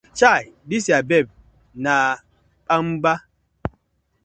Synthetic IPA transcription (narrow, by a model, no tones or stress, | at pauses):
t͡ʃajdisiabɛb̚ | na | pam̩ba